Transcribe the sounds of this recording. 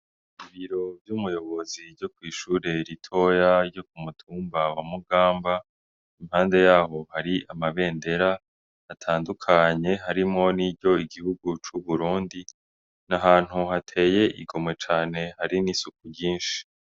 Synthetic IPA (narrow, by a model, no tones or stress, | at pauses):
iβiɾo̞bjumujo̞βo̞ziɾɟo̞kwiːʃuːɾe̞ɾitʰo̞jaɾjo̞k̚umutʰuːmbawamuɡaːmba | imhaːnde̞jaːho̞haɾiamaβe̞ːnde̞ɾa | atʰaːndukʰaɲe̞ɦaɾimŋo̞niɟo̞iɡihuɡut͡ʃuβuɾuːndi | naɦaːn̥huhatʰe̞ːje̞ʔḭɡo̞mwe̞t͡ʃaːne̞haɾinisuk̚uɟiːnʃi̥